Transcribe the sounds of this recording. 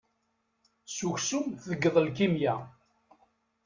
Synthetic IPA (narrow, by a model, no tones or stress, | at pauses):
suçsumθəɡːəðˤəlkimjæ